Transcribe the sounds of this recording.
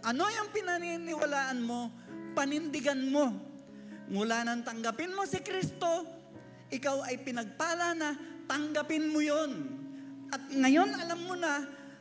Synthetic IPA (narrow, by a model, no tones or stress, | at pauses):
ʔɐno̞jʊŋpɪnɐninɪwalaːʔɐnmo̞ | pɐnɪnd̪ɪɡanmo̞ | ŋʊlaːnɐŋt̪ɐŋɡɐpɪnmosɪkɾist̪o̞ | ʔɪkawɐjpɪnɐɡ̚paːlɐnɐt̪ɐŋɡɐpɪnmojonʔɐt̪̚ŋɐjo̞nʔɐlamːona